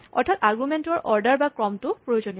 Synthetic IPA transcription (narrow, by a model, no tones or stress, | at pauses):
ɔ̰ɹtʰataɡumentɔɹʔɔɹdaɹbakɹɔmtʊpɹojozoni